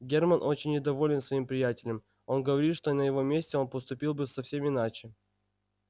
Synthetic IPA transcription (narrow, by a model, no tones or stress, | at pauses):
ɡʲermənʔo̞t͡ɕɪnʲːɪd̪ɐvo̞lʲɪnsvɐimpɾʲɪjætʲɪlʲəm | o̞nɡəvɐɾʲit̪ʂt̪onəjɪvo̞mʲesʲtʲɪo̞npəst̪ʊpʲilˠbɨsɐfsʲe̞mɪnat͡ɕɪ